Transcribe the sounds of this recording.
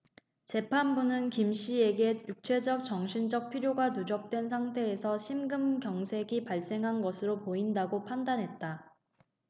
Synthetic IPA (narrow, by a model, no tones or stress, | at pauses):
t͡ɕe̞pʰanbunɯnkimɕ͈ie̞ɡe̞juk̚t͡ɕʰwe̞d͡ʑʌk̚t͡ɕʌŋɕʰind͡ʑʌk̚pʰiɾjoɡanud͡ʑʌk̚t͈we̞ns̬ʰaŋtʰe̞ːsʰʌɕʰimɡɯmkjʌŋsʰe̞ɡipaɭs͈e̞ŋɦanɡʌsʰɯɾopoindaɡopʰandanɦe̞t̚t͈a